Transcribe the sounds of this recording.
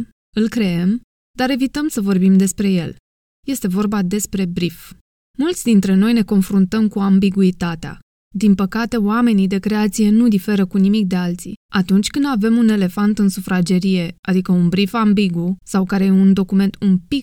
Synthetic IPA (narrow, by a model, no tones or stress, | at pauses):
ɨlkɾe̞em | d̪aɾe̞vit̪əmsəvo̞rbimd̪e̞spɾe̞je̞l | je̞st̪e̞vo̞rbad̪e̞spɾe̞bɾif | mult̪sʲd̪int̪ɾe̞no̞jne̞ko̞nfɾunt̪əmkuambiɡuit̪at̪ea̰ | d̪inpəkat̪e̞wame̞nid̪e̞kɾe̞at̪sije̞nud̪ife̞ɾəkunimik̚d̪e̞alt̪sḭat̪unt͡ʃʲkɨnd̪ave̞mune̞le̞fant̪ɨnsufɾad͡ʒe̞ɾije̞ad̪ikəunbɾifambiɡusawkaɾe̞jeund̪o̞kume̞nt̪umpik